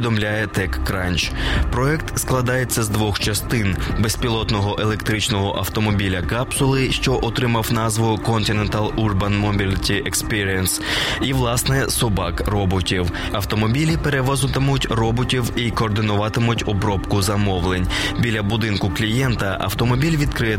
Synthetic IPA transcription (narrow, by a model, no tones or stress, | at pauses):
d̪ɔmlʲajɛt̪ɛkːɾɑnʲt͡ʃpɾɔɛkt̪sklˠɐd̪ɑjet͡sʲːɐzd̪ʋɔxt͡ʃɐst̪ɪnbespʲilˠɔt̪nɔɦɔʔe̞lˠe̞kt̪ɾɪt͡ʃnɔɦɔʔɐwt̪ɔmɔbʲilʲɐkɑpsʊlˠɪʃt͡ʃɔʔɔt̪ɾɪmɐwnɑzʋʊkɔnt̪ɪnent̪ɑlˠurbɐnmɔbʲilʲitʲiʔekspiɾʲiɛnsiʋlˠɑsnɛsɔbɑkrɔbɔtʲiw | ɐwt̪ɔmɔbʲilʲipeɾeʋɔzʊt̪ɪmʊtʲrɔbɔtʲiwikɔːrd̪ɪnʊʋɑt̪ɪmʊtʲɔbɾɔpkʊzɐmɔʋlˠenʲbʲilʲɐbʊd̪ɪnkʊklʲijɛnt̪ɐʔɐ̰wt̪ɔmɔbʲilʲʋʲid̪kɾɪjɛ